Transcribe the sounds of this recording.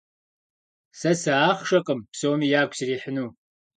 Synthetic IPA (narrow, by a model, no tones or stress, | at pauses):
sɐsɐaːχʂɐqʼəmpsoːmiːjaːkʷʰʼsiriːħənuː